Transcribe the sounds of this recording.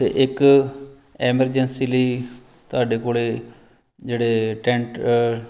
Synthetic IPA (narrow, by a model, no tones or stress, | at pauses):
t̪ḛːʔɪk | ɛːməɾd͡ʒənsiːliː | t̪ʊaːɖeːkoːleː | d͡ʒeːɽeːʈɛ̃ːɳʈ